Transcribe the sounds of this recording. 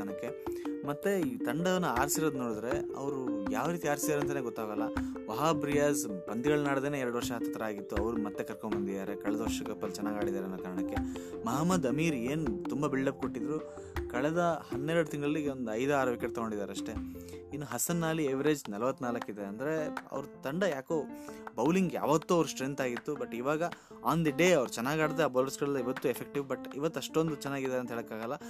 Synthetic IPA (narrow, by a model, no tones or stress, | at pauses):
ɳɐkːemɐt̪ːe̞t̪ɐɳɖɐʋɐnːuaːɾsiɾod̪no̞ːɽud̪ɾe̞ɐ̰ʋɐɾujaːʋɾiːt̪iaːɾsid̪aːɾeɐnt̪aːneːɡɔt̪ːaːɡɐlːɐʋɐɦaːbɾijaːspɐnd̪iɡɐɭnaːɽd̪eːneːɛɾɐɽuʋɐɾʂɐɦɐt̪ːɐt̪ːɾɐaːɡit̪ːuɐʋɐɾumɐt̪ːe̞kɐɾkombɐnd̪id̪aːɾekɐɭɛd̪ɐʋɐɾʂɐɡɐpːɐlt͡ʃɛnːaːɡaːɽid̪aːɾeɐnːɐkaːɾɐɳɐkːe̞mɐɦaːmːɐd̪ɐmiːɾe̞ːnut̪umbɐbiɭɖɐp̚ko̞ʈːid̪ɾu | kɐɭɛd̪ɐhɐnːeːɾɐɽut̪iŋɡɭɐlːiond̪uɐjd̪ɐaːɾɐːʋikɐʈt̪ɐɡoɳɖid̪aːɾeɐʂʈe̞inːuɦɐsɐnːaːlieʋɾe̞ːd͡ʒnɐlɐʋɐt̪ːnaːlɐkːid̪eɐnd̪ɐɾe̞ɐ̰ʋɾut̪ɐɳɖɐjaːkoːbɐwliŋɡja̰ːʋɐt̪ːuɐʋɾusʈɾent̪aːɡit̪ːubɐʈːiʋaːɡɐ | aːnd̪iɖe̞ːɐʋɾut͡ʃɛnːaːɡaːɽid̪eaːbɐːlɐɾsɡɐɭɐlːɐiʋɐt̪ːuefʰek̚ʈiʋbɐʈːiʋɐt̪ːɐʂʈond̪ut͡ʃɛnːaːɡid̪aːɾeɐnt̪ɐɦeːɭɐkːaːɡɐlːɐ